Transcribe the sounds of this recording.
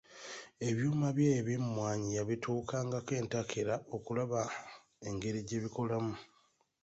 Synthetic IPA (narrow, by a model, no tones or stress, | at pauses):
e̞βjuːmaβjeːβimumwaːɲijaβitʰuːkʰaːŋɡake̞ːntakʰeɾao̞kulaβa | eŋɡe̞ɾiɟe̞βiko̞lamu